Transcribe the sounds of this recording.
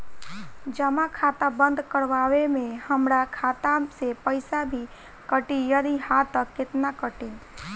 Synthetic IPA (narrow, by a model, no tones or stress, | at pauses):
d͡ʒəmakʰat̪abə̃nd̪kəɾʋawemẽhəmɾakʰat̪asepəɪsabʱi | kəʈijəd̪ihat̪əkːɪt̪nakəʈi